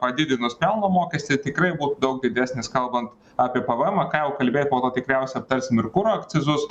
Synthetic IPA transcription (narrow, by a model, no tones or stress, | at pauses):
pɐd̪ʲɪd̪ʲɪnʊspʲɛlˠnoːmoːkʲɛsʲt̪ʲɪt̪ʲɪkɾɐɪbuːt̪ʊd̪ɐʊɡ̚d̪ʲɪd̪ʲæsʲnʲɪskɐlˠbɐnt̪ | ɑːpʲiɛpɐʋɛmɐkɑːjɛʊkɐlʲbʲeːt̪ʲpoːt̪oːt̪ʲɪkɾʲæˑʊsʲɛɐp̚t̪ɐɾʲsʲɪmɪɾkʊɾoːɐkt̪sʲɪzʊs